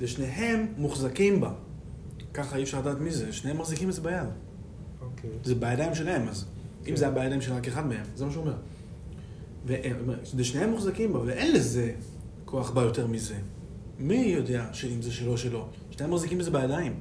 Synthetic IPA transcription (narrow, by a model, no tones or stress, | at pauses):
leʃneɦe̞mːuχzakimba | kaχaiefʃaʁladaːt̪mizeʃnehemːaχzikimbezebajad | ozebajadajimʃ̬elahemazʔimzejabajad̪ajimʃelʁakeχadmehemzemaʃ̬uːme̞ʁ | veʔtomeetdeʃnehe̞mːuχzakimbaveʔe̞nleze | kʰo̞aχbajo̞te̞ʁmize̞ | mijo̞de̞aʃe̞imzeʃelo̞ʃelo̞ | ʃnehemːaχzikimbezebajadaim